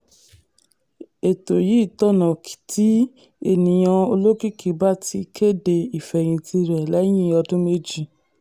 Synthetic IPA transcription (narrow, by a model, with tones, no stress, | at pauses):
e˨to˨ji˨˦˨tɔ˦nã˨ki̥˨tʰi˦ | e˦˨nĩ˨j̃ã˧o˧lo˦ki˦˨kʰi˨ba˦ti˧kʰe˦˨de˧i˨fɛ˨j̃ĩ˧tʰi˧ɾɛ˨lɛ˨˦j̃ĩ˦ɔ˧dũ˦me˧d͡ʒi˨